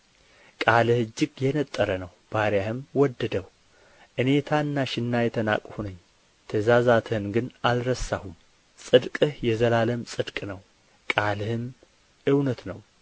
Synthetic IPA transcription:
kʼalɨhɨd͡ʒːɪɡjɛnət̪ʼːəɾənəwb̥aɾjahɨmwɔd̪ːəd̪əw | ʔɨne̞t̪ʰaɨnːaʃɪnːajɛt̪ʰəna̰kʼhunəɲː | t̪ʰəzazat̪ʰɨnɡɨnalɾəsːahum | sʼɨd̪kʼɨhjɛzəlaləmsʼɨd̪kʼnəw | kʼalɨhɨm | ɨwnət̪nəw

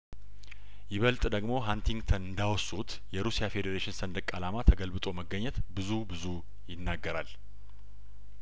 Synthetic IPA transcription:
jɪβəlt̪ʼd̪əɡmo̞ɦant̪ʰiŋɡt̪ʰənɨnd̪awsut̪ | jɛɾusijafe̞d̪əɾeʃɪnsənd̪əkʼalamat̪ʰəɡəlbɨt̪ʼo̞məɡːəɲːɛt̪bɨzubɨzu | jɪnːaɡːəɾal

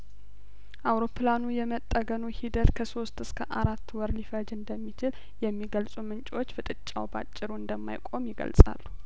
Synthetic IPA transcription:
ʔawɾo̞pʰlanujɛmət̪ʼːəɡənuhid̪ət̪kʰəso̞st̪ɨskʰəʔaɾat̪ːwɔɾlifəd͡ʒɨnd̪əmːit͡ʃɪl | jɛmːiɡəlsʼumɨnt͡ʃʼwo̞t͡ʃːfɨt̪ʼɨt͡ʃʼːa̰wba̰t͡ʃʼːɪɾuɨnd̪əmːa̰jkʼo̞mjɪɡə̰lsʼa̰lːu

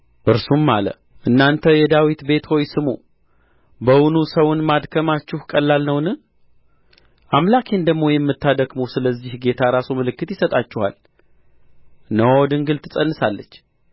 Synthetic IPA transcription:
ʔɨɾsumːalə̰ | ʔɨnːant̪ʰəjɛd̪awit̪be̞t̪ho̞jsɨmṵ | bəwunusəwʊnmad̪kʰəmat͡ʃːɪhkʼəlːalnəwnɨ | ʔamlakʰend̪əɡmo̞jɛmːɨt̪ʰːad̪əɡmosɨləzːihɡe̞t̪ʰaɾasumɨlɨkːɨt̪jɪsət̪ʼat͡ʃːɪha̰l | nəwd̪ɨŋɡɨlt̪ʰɨsʼənːɨsalːət͡ʃː

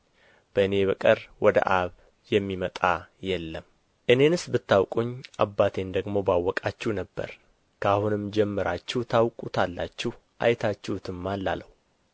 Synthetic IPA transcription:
b̥əɨne̞βəkʼəɾwɔd̪ə̰ʔaβ | jɛmːimət̪ʼajɛlːəm | ʔɨne̞nɨsbɨt̪ːawkʼuɲːa̰bːat̪ʰe̞nd̪əɡmo̞bawːɔkʼat͡ʃːunəbːə̰ɾ | kʰəahunɨmd͡ʒɛmːɨɾat͡ʃːɪht̪ʰawkʼut̪ʰalːat͡ʃːɪh | ʔa̰jt̪ʰat͡ʃːɛhut̪ʰɨmːanlːa̰ləw

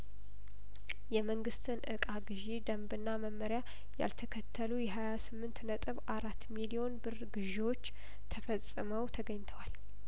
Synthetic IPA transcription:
jɛməŋɡɨst̪ʰɨnʔɨkʼaɡɨʒed̪əmbɨnːaməmːəɾja | ja̰lt̪ʰəkʰət̪ʰːəlujɛɦajasɨmːɨnt̪nət̪ʼɨβaɾat̪ːmilio̞nbɨrɡɨʒewo̞t͡ʃː | t̪ʰəfəsʼːɨməwt̪ʰəɡəɲːt̪ʰəwal

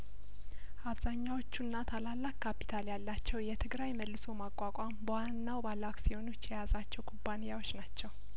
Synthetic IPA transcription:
ʔaβzaɲːawo̞t͡ʃːunːat̪ʰalalːakːapːi̥t̪ʰaljalːat͡ʃːɛwjɛt̪ʰɨɡɾajməlːɨso̞makʼːakʼambəwanːawbalːakʼsiho̞no̞t͡ʃːjɛjazat͡ʃːɛwkʰubːanɨjawot͡ʃːnat͡ʃːɛw

